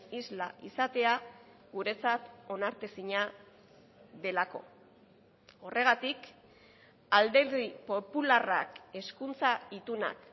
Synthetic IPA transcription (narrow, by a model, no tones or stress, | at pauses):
izla̰ʔisat̪e̞a | ɣuɾe̞t͡sat̪o̞naɾt̪esiɲa | ðe̞lako̞ | o̞re̞ɣ̞at̪ik | ald̪e̞ɾðipo̞pulara̰ke̞skunt͡sait̪una̰k